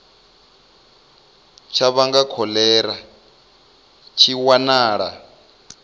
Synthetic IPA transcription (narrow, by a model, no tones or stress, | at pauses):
t͡ʃʰaβaŋɡakʰɔlɛɾa | t͡ʃʰiwanaːɺa̰